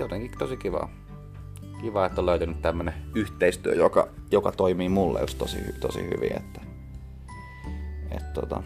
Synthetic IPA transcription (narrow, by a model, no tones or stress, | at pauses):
jot̪eŋkit̪osikiʋɑ̰ː | kiʋɑːet̪ːoløˑyt̪ænyt̪t̪æmːøneyht̪eist̪yøjokɑjokɑt̪oimiːmulːḛjust̪osḭht̪osḭhy̰ʋḭḛt̪ːæ̥ | ḛt̪t̪ot̪ɑ